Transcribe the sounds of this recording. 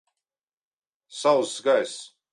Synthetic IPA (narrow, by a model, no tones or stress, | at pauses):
sawsɡajs